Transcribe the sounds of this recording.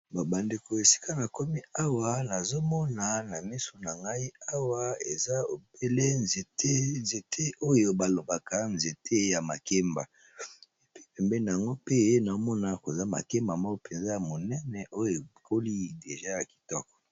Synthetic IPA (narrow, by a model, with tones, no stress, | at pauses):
ba˨ba˨nde˨ko˨e˨si̥˦ka˦na˨ko˦mi˦a˦wa˨na˨zo˦mɔ˦na˨na˨mi˦so˨na˨ŋɡa˦i˦a˦wa˦e˨za˦o˨be˦le˦nze˨te˦nze˨tʰe˦ʔo˦jo˨ba˨lo˨ba˨ka˦nze˨tʰe˦ja˨ma˨ke˦mba˨ | e˨pi̥˦pɛ˨mbɛ˦na˨a˨ŋɡo˦pe˦na˨o˦mɔ˦na˨ko˨za˦ma̰˨ke˦mba˨mɔ˦ko˦pe˨nza˦ja˨mo˨nɛ˦nɛ˨ʔo˦jo˨kʰo˦li˦de˨ʒa˦ja˨ki̥˨tɔ˦kɔ̥˨